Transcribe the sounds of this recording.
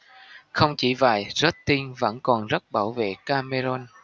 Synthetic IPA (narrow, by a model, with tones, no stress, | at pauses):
xə˧wŋ͡mt͡ɕi˧˩vaː˨˩jzə˦˥t̚t̪i˧nvə̰˧˥nkɔ˨˩nzə˦˥t̚ɓaː˧˩wvḛ˧˨kaː˧me˧zɔ˧n